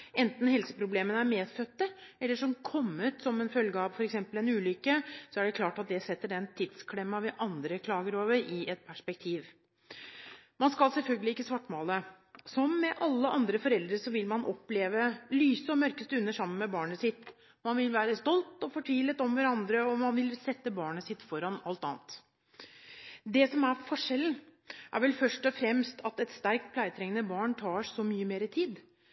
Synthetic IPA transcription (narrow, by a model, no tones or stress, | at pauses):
ɛnt̪n̩hɛlsə̥pʰɾʊbleːmənəæɾmeːd̪fœt̪ːəɛlːəʂɔmkʰɔmːət̪sɔmɛnfœlɡəɑʋfɔɾɛksɛmpəlɛnʉːlʏkːəsɔæɖɛklɑːʈɑt̪̚d̪ɛsɛt̪ːəɖɛnt̪ʰɪd̪skʰlɛmːɑʋɛʔɑnd̪ɾəkʰlɑːɡəɾoːʋəɾɪɛt̪̚pʰæʂpɛk̚t̪ʰiːʋ | mɑnskɑlsɛlfœlɡəlɪɪkːəsʋɑʈːmoːlə | sɔmːɛʔɑlːəʔɑnd̪ɾəfɔɾɛld̪ɾəʂɔʋɪlmɑnʔɔ̰pleːʋəlyːsəɔmœɾkəst̪əʉnːəʂɑmːənmɛbɑːɳəsɪt̪ | mɑnʋɪlʋæːɾəst̪ɔlt̪ɔfɔʈʰʋiːlət̪ɔmʋæɾɑnd̪ɾəɔmɑnʋɪlsɛt̪ːəbɑːɳəsɪt̪ːfɔɾɑnɑlt̪ɑ̰ːnt̪ | d̪ɛsɔmæɾfɔʂɛln̩ | ʔæ̰ɾʋɛlfœʂʈɔfɾɛmst̪ʰɑt̪ɛt̪st̪æɾk̚t̪̚pʰlæɪət̪ʰɾɛŋənəbɑːɳʈʰɑːsɔmyːəmeːɾɪt̪ʰiːd̪